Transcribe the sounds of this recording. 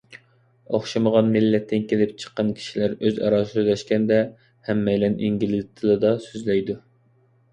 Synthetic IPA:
oχʃɨməʁɑnmilːɛt̪ʰːɪnkʲelɪp̚t͡ʃʰə̥qːɑnkʲʰi̥ʃilæɾøzɑ̰ɾɑssøzlɛʃkʲɛnd̪ɛ | hɛmːɛjlɛnʔiŋɡʲilɪzt̪ʰɨlˠɨd̪ɑsøzlɛjd̪u

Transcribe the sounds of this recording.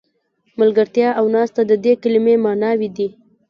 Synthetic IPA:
malɡəɾt̪jɑawnɑst̪ad̪əd̪ekɪlɪmemɑnɑwid̪i

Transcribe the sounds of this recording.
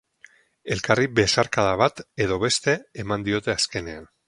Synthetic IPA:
elkaribesaɾkaðaβ̞at̪eðoβ̞est̪eemãnd̪iot̪easkenean

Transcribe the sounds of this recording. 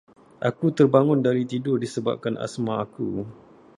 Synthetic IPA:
ʔakut̪ərbaŋʊndaɾit̪idʊrdisəba̰p̚kanʔa̰smãakṵ

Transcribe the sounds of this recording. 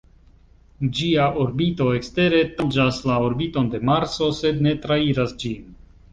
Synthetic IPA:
d͡ʒiaʔoɾbito̞e̞kste̞ɾe̞tad͡ʒaslaoɾbito̞nde̞maɾso̞se̞dne̞tɾaiɾasd͡ʒin

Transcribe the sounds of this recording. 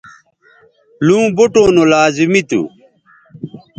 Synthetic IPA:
lũːboʈõːnolaːzimit̪ṵ

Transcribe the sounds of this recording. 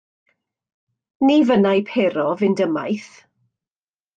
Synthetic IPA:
niːvənajpʰeːɾɔvɪndəma̰jθ

